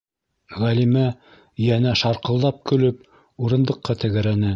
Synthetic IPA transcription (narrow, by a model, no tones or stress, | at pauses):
ʁælimæ | jænæʃɑɾqɤ̆lˠd̪ɑp̚kɵ̆lɵp̚ | uɾɤ̆nd̪ɤ̆qːɑt̪ɘ̆ɡɘ̆ɾænæ